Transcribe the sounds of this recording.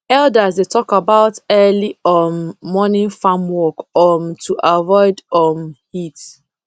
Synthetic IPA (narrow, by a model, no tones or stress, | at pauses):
ɛldazdetʰɔkabaʊtɜliɔnːɔnĩnfamwɔkɔmtʰuʔavɔɪdɔmhit